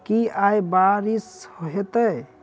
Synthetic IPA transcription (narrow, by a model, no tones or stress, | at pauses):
kiajbaɾishoɦet̪əj